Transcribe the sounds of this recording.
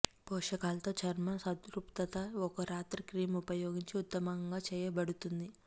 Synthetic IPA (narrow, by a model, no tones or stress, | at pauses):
pɔːʂɐkaːlɐt̪o̞ːt͡ʃɐɾmɐnsɐt̪ɾupt̪ɐt̪ɐɔkɐɾaːt̪ɾikɾiːmupɐjoːɡiɲt͡ʃiut̪ːɐmɐŋɡaːt͡ʃɛːjɐbɐɽut̪und̪i